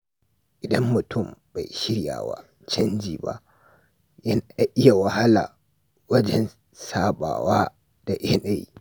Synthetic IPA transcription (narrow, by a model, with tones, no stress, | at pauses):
ʔɪ˨dɐ˦mːʊ˨tʊ˦˨mba˨jʃɪ˦ɽja̰ː˨wa̰ː˦ | t͡ʃɐ˦nd͡ʒḭː˨ba̰˦ʔ | jɐ˦na˦ʔɪ˦ja˨wɐ˨ha˦la̰ː˨ | wɐ˦d͡ʒɛ˦n | saː˦ɓa̰ː˨waː˦ | d̥a˨ʔe˦na˦˨j̰